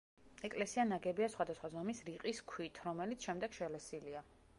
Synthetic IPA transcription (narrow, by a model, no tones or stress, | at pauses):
ɛkʼlɛsianaɡɛbiasχwad̪asχwazɔmisɾiqʼiskʰwit̪ʰɾɔmɛlit̪sʃɛmd̪ɛɡ̥ʃɛlɛsilia